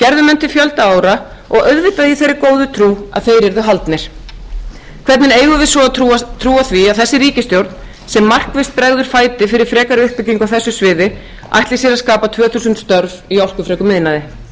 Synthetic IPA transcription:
cɛɾðʏmɛnt̪ɪ̥fjœlt̪aaːwɾa | ɔɣœɥðvɪt̪aðiθejɾːɪkoːwðʏt̪ʰɾuːa̰ðθejɾɛɾðʏɦalt̪nɪɾ̥ | kʰvɛt̪nɪneːjɣʏvɪsvɔt̪ʰɾuːaθviaðθɛsːɪɾiːcɪst̪jowɾt̪n | sɛmːar̥kvɪst̪̚pɾɛɣðʏɾ̥faːjt̪ɪfɪɾɪɾ̥fɾɛːkaɾʏhpɪciŋkawθɛsːʏsvɪːðɪ | a̰jht̪lɪsɛɾaskaːpat̪ʰvœːθusʏnt̪st̪œɾviawl̥kʏfɾeːkʏmɪðnaðɪ

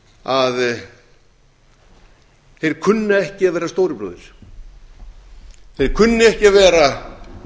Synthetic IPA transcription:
að | θejɾ̥kʰʏnːʏɛhcɪavɛːɾast̪oːwɾɪpɾo̰ːðɪɾ̥ | θejɾ̥kʰʏnːʏɛhcɪavɛːɾa

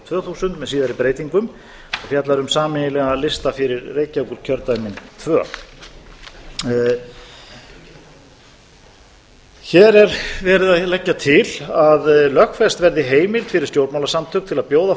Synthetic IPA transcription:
t̪ʰvœːθusʏnt̪mɛðsiːðaɾipɾeːjt̪iŋkʏm | ɔfjat̪laɾʏmsaːmɪnɪlɛɣalɪst̪afɪɾɪɾreːjcawkʏɾ̥cʰœɾt̪ajmɪnt̪ʰvœː | çɛːɾɛɾvɛːɾɪðaðlɛcːat̪ʰɪlaðlœhkfɛst̪vɛɾðɪɦeːjmɪlt̪fɪɾɪɾ̥st̪jowɾt̪mawlasamt̪ʰʏk̚t̪ʰɪlaðpjoːwða

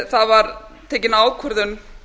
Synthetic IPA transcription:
θaðvaɾ | t̪ʰeːjcɪnaːwkʰœɾðʏn

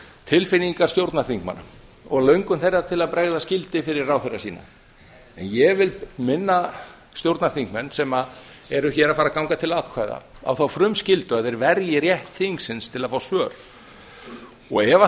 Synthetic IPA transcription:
t̪ʰɪlfɪniŋkḁst̪jowɾt̪naθiŋkma̰na̰ɔɣlœɥŋkʏmθejrːat̪ʰɪlaðpɾɛɣðascɪlt̪ɪfɪɾɪrraːwθejrasiːna̰ | ɛ̰njɛɣvɪlmɪnːa | st̪jowɾt̪naθiŋkmɛnːsɛmað | ɛɾʏçɛːɾafaɾakawŋkat̪ʰɪlat̪kʰvaːjða̰a̰wθawfɾʏmscɪlt̪ʏaðɛɾvɛɾjɪrjɛht̪θiŋksɪnst̪ʰɪlaðfaːwsœːɾ̥ | ɔɣɛva

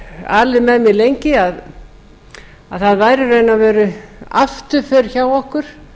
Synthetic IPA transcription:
a̰ːlɪðmɛðmɪðlejɲcɪað | aðθaðvaːjɾʏɾeːjnavɛːɾʏa̰ft̪ʏfɛɾ̥çaːwɔhkʏɾ̥

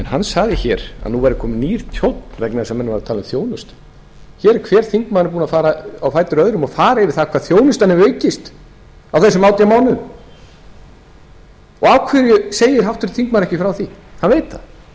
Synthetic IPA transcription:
ɛnhanːsaɣðɪçɛːɾa̰ðnuvajɾɪkʰɔːmɪniːɾ̥t̪ʰjowt̪n̥vɛknaɛsamːɛnːɪvaɾat̪ʰaːlʏmθjoːwnʏst̪ | çɛːɾɛɾkʰvɛːɾ̥θiŋkmaðnɪɾpuːnafaːɾaawfaːjt̪ʏɾœðɾʏmafaːɾaɛvɪɾθakʰvaːðθjoːwnʏst̪anːɪœːɥcɪst̪ | awθɛsːʏmawt̪jamaːwnʏm | ɔɣawkʰvɪɾjʏseːjɪɾ̥ɦawht̪ʏɾt̪θiŋkmaðɾɛhcɪfɾawθihanveːjt̪θa̰

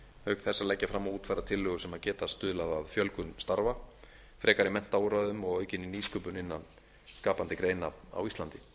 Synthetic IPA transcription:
hœkθɛsːalɛcːafɾamːauːt̪farːat̪ʰɪlːʏːɣʏsɛmaðcɛːt̪ast̪ʏːðlaðaðfjœlkʏnst̪aɾva | fɾɛːkaɾimɛn̥t̪awɾaðʏmɔɣœːɥcɪniniːskœːpʏnɪnːan | skaːpant̪ɪkɾeːjnaa̰wist̪lant̪ɪ

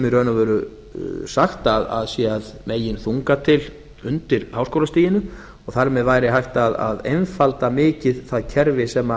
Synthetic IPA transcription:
mɪrœːnavœːɾʏ | saxt̪aða̰ðsjɛaðmeːjɪnθuŋkat̪ʰɪl | ʏnt̪ɪɾ̥haːwskowlast̪iːjɪnʏ | ɔɣθaɾmɛðvajɾɪɦajht̪aða̰ðḛjnfalt̪amɪːcɪðθaðcʰɛɾvɪsɛmːa

